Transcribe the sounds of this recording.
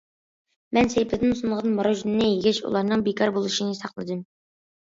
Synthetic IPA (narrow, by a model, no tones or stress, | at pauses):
mɛnsejpʰɪd̪ɪnsunʁɑnmɑɾoʒnɨnɨjeɡʲɛt͡ʃṵlˠɑɾnɨŋbekʰɑɾbolˠɨʃinɨsɑqlˠɨ̰d̪ɨm